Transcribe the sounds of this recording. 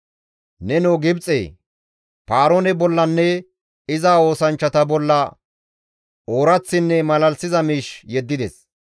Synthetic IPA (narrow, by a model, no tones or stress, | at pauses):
nɛnoːɡɪbt͡sʼːḛː | paːɾonɛbɔlːɐnːɛ | ɪzaːo̞ːsɐnt͡ʃːɐt̪ɐbɔlːɐ | oːɾɐt͡sːɪnːɛmɐlɐlsɪzɐmiːʃjɛd̪ːɪd̪ɛs